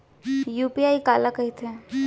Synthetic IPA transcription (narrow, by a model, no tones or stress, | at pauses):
juːpiaːikaːlakɐɦit̪ʰe